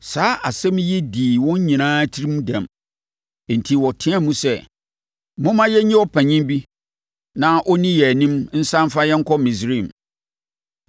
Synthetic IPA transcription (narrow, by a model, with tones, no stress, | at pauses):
saː˨˦ʔa˨sɛ̃˦m˦jɛ˦diː˨wɔ̃˦n˦ɲĩ˨nãː˦tʰi˦ɾi˦m˦dã˨m | e˨n̩˨tʰi˨wɔ˨tʰɪ̃˦a˦mũ˦sɛ˦˨ | mʊ̃˦mã˦jɛ˦ɲĩ˦ɔ˦pʰæ̃˨ɲĩ˦m˦bi˦ | nã˦ʔɔ˦nĩ˦jɛ˨nĩ˦mn̩˦sã˦m˦fa˦jɛ˦ŋ̩˦kʰɔ˦mĩ˨sɾi˦˨m